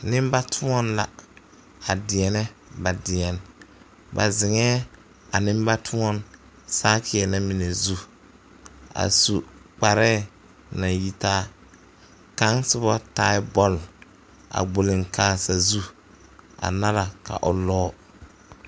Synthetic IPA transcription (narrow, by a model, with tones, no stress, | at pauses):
nɪ˦mba˦tʰʊ˦ɔ˦nla̰˨ | a˨dɪ˨ɛ˨nɛ˦ba˨dɪ˨ɛ˨n | ba̰˨zɪ˨ŋɛː˦ | a˨nɪ˦m˦ba˦tʰʊ˦ɔ˦n | saː˦kʰɪ˨ɛ˨na˦mi˨ne˨zu˦ | a̰˨su˨k͡pa˨ɾɛː˦˨ | na˨ji˨taː˦ | ka˦ŋsɪ˦bɔ˦ta˦ɪ˦bɔ˦l | a̰˨ɡ͡bo˨lɪ˨ŋkaː˨˦sa˨zu˦ | a̰˨na˦la˨ka̰˨ʔʊ˨lɔː˦